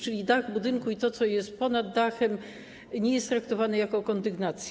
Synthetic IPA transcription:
t͡ʂɘlʲid̪aɣbud̪ɘŋkuit̪ɔt̪sɔjɛst̪̚pɔnad̪ːaxɛm | ɲɛjɛst̪ːɾakt̪ɔvanɛjakɔkɔnd̪ɘɡnat̪sʲj

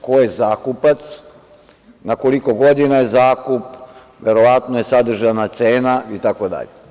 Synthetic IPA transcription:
kojezaːkupat̪s | nakoliko̞ɡo̞d̪inajezaːkup | ʋeɾoʋat̪noje̞sad̪r̩ʒanat̪seːnait̪akod̪a̰ʎe

